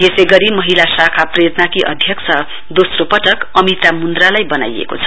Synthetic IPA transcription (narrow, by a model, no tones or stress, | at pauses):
jeseɡʌɾimʌɦilasakʰaprʌjʌt̪nakiʔʌ̰d̪ʱjʌk̚t͡sʰʌ | d̪osropʌʈʌkʌmit̪amund̪ralajbʌna̰jḛko̰t͡sʰʌ̥